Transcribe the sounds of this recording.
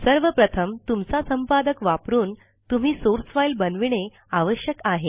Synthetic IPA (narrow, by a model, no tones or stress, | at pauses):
səɾʋəpɾət̪ʰəmt̪umt͡sasəmpad̪əkʋapɾuːn | t̪um̤iːsoɾsʋajlbənʋiɳ̃e | aʋəɕjəkaɦe